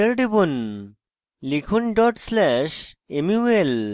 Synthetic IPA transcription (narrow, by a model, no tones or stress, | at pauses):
eɾɖibun | likʰunɖɔʈslɛʃemiel